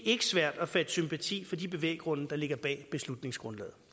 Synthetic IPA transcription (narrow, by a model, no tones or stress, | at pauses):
ʔe̝ɡ̥əsʋæɐ̰d̥æfæd̥əsympʰæt͡sʰḭːfɒ̽dib̥e̝ʋḛːɡ̥ʁɔ̽nəd̥ɑ̈le̝ɡ̥ɐb̥ɛ̰ːb̥e̝slud̥ne̝ŋsɡ̥ʁɔ̽nlɛ̰ːð̩ˠ